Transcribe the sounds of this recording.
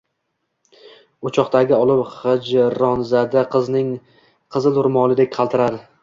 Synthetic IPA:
ʊt͡ʃʰɒqt̪ʰaɡʲɪɒlˠɪpχɨd͡ʒɾɒnzad̪aqʰɨznɪŋ | qʰɨzɪlʊɾmɒlˠɪd̪ek̚ʲqʰɑlˠt̪ʰɪɾad̪ɪ

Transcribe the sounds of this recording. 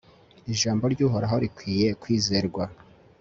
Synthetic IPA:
iʒaːmbo̞ɾɟuːɦo̞ɾaɦo̞ɾikwiːje̞kwiːzeɾɡwa

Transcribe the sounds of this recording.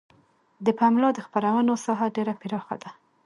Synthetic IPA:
d̪əpamlɑd̪əxpaɾawənosɑɦaɖeɾapɪɾɑxa̰d̪a

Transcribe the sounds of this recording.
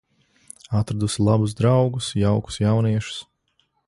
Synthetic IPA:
at̪ɾad̪usilˠabuz̬d̪ɾawɡusjawku̥sjawniɛʃu̥s

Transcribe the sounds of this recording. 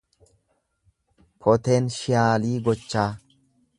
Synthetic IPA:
pʰɔt̪enʃɪjaːliːɡɔt͡ʃːaː

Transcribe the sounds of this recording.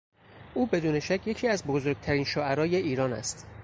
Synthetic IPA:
ʔuːbe̞d̪uːne̞ʃæcʰje̞cʰiːæzbozoɾɡ̚t̪ʰæɾiːnʃoːæɾɒːjeʔiːɾɒːnæ̰st̪

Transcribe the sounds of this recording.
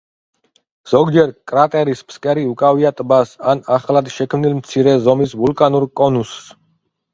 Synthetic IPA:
z̥ɔɡd͡ʒɛɾkʼɾat̪ʼɛɾispʰskʼɛɾiukʼaviat̪ʼbasanaχlad̪ʃɛkʰmnilmt̪sʰiɾɛzɔmisvulkʼanuɾkʼɔnusː

